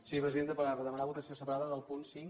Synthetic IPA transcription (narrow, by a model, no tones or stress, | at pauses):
siβɾəziðend̪əpəɾaβəðəmənaβut̪əsiosəpəɾaðəðəlˠpunsiŋ